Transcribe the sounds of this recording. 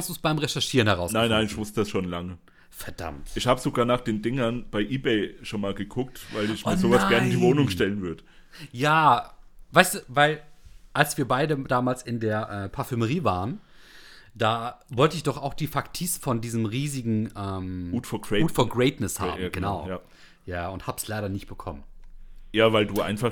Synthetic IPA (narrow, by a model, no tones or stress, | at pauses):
nsd̥uːsb̥aɪmʁɛʃɛɐʃiːʁənhɛʁaʊsnaɪnːaɪnɪçmʊstəd̥asʃoːnlaŋə | fɛɐd̥a̰mtʔɪçhaːbəzoɡaːɐnaːχd̥eːndɪŋɐnb̥aɪʔiːbeɪʃonmaːlɡəkʰʊk̚tvaɪlɪçmmiːɐzoːvasɡ̥ɛɐnɪndiːvoːnʊŋʃtɛlənvʏɐdəjaː | vaɪstuːvaɪlʔalsv̥iːɐbaɪdədaːmaːlsɪndeːɐʔɛːpʰaɐfyməʁiːvaːʁən | d̥aːvɔltəɪçd̥ɔχaʊxd̥iːfaktʰiːsfɔndiːzəmʁiːzɪɡŋ̩ʔɛːmuːtfɔɐɡʁɛtfɔːɡʁɛɪtnɪsha̰ːmmɡ̥əna̰ʊja | jaːʊnthaːbslaɪɾɐnɪçt̚b̥əkʰɔ̰mənjaːvaɪlduːʔa̰ɪnfa